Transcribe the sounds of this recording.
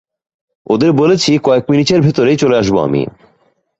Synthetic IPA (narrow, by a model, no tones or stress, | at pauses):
od̪eɾbolet͡ɕʰikɔek̚miniʈeɾbʱet̪oɾejt͡ɕoleaʃboa̰mḭ